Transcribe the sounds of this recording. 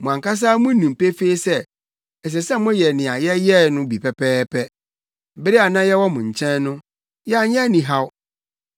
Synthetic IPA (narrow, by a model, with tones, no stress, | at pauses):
mʊ̃˨ã˨ŋka˦s̬aː˦mʊ̃˦nũ˨m˨pe˦fe˦sɛ˦ | ɛ˨s̬ɛ˨sɛ˦mʊ̃˦jɛ˨nɪ̃˨a˨jɛ˦jɛ˦nʊ̃˦bi˨pʰɛ˨pʰɛː˦pʰɛ˦ | bɪ˦ɾɪ˦a˨nã˦jɛ˦wɔ˦mʊ̃˨ɲ̩˨t͡ɕʰɛ̃˦nːʊ̃˦ | jɛ˦a˨ɲɛ̃˦nĩ˨ɦa˦w